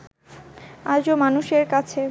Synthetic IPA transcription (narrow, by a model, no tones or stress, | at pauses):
ad͡ʑomanuʃeɾkat͡ɕʰe